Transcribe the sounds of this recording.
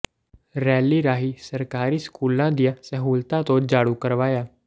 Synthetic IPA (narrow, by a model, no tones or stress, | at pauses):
ɾɛːliːɾaːɦiːsəɾkaːɾiːskuːlãːd̪ijãːsəɦuːlt̪ãːt̪õːd͡ʒaːɽuːkəɾʋaːjaː